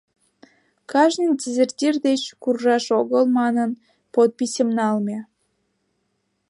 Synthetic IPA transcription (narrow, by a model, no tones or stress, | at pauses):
kɑʒnindʲezʲertʲird̪et͡ɕkurʒɑʃoɣəlmɑnən | pot̪̚pisemnɑlme